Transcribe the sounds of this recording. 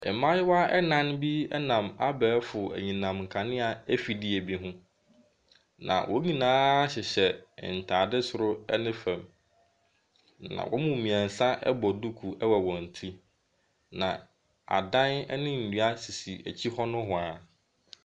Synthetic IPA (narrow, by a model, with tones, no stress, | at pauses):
ɛ̰˨mã˦jɪ˦wa˦ɛ˦nã˦n˦bi˦ɛ˦nã˨ma˦bɛː˨˦fʊ˨æ̰˨ɲĩ˨nã˨mŋ̩˨kʰa˨nɪ̃˦a˨æ˦fi˨di˦æ˨bi˦ɦʊ̃˦ | nã̰˨wʔɔ˦ɲĩ˨nãː˦ɕɪ˨ɕɛ̰˨n̩˨tʰaː˨dɪ˦sʊ˨ɾʊ˦ɛ̰˦nɪ̃˦fɛ̃˨m | nã̰˨wʔɔ̰˦mũ˨mĩ˨æ̃˨n̩˨sã˦ʔɛ̰˦bɔ˨du˦kʰu˨ʔɛ˦wɛ˨wɔ̃˨n̩˨tʰi˦ | nã̰˨ | a̰˨dã˦nɛ˦nɪ̃˦n̩˨nu˦a˦si˨si˨æ̰˨t͡ɕʰi˦hɔ˦nʊ̃˦ɦʊ̃˨a˨